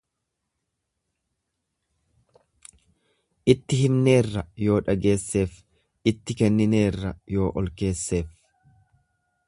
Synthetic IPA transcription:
ʔɪt̪ːɪhɪmne̞ːrːɐjo̞ːᶑɐɡe̞ːsːe̞ːf | ʔɪt̪ːɪkɛnːɪne̞ːrːɐjo̞ːʔɔlke̞ːsːe̞ːf

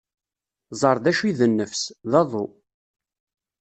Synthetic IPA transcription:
zˤɑɾˤðæʃiðənːəfsðɑðˤo

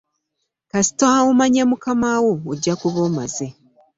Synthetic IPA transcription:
kasi̥toaumaɲemukamaːwoːɟːakuβoːmaze

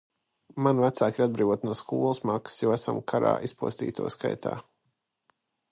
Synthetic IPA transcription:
manvæt̪saːkiɾad̪bɾiːvuɔt̪nuɔskuɔlˠəsmakssjaæsa̰mkʰaɾa̰ːʔispuɔst̪ḭːt̪ʰṵɔska̰jt̪ʰa̰ː

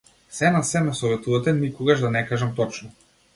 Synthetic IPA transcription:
sɛnasɛmɛsɔvɛt̪uvat̪ɛnikɔɡaʒd̪anɛkaʒamt̪ɔt͡ʃnɔ

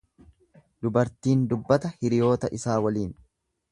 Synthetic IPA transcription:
d̪ʊbɐɾt̪iːnd̪ʊbːɐt̪ɐhɪɾɪjo̞ːt̪ɐʔɪsaːwɐliːn

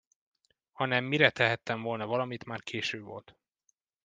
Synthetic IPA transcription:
hɒnɛmːiɾɛt̪ɛɦɛt̪ːɛɱvolnɒvɒlɒmit̪maːrkʰeːʃøːbvo̞̰lt̪

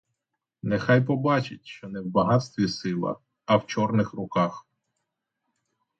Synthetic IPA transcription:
nɛxɑjpɔbɑt͡ʃɪt̚ʲʃt͡ʃɔnɛwbɐɦɑt̪st̪ʋʲisɪlˠɐ̰ | ɐwt͡ʃɔrnɪxrʊkɑx

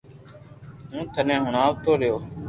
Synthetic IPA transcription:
ɦũːt̪ʰənẽːɦʊɳaːʋt̪ʰoːɾɪjoː

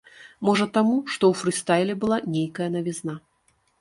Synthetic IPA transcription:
mɔʐɐt̪amuʂt̪ɔwfɾɨst̪ajlʲɛbɨlˠanʲejkɐjɐnɐvʲizna

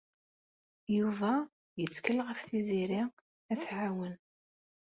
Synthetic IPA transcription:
juvæ | jət͡sːkəlːʁəfθiziɾi | æθʕawən

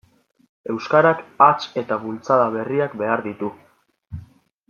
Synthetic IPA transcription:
e̞wskaɾakat͡ʃe̞t̪aβult͡saðaβe̞riakbe̞aɾðit̪u

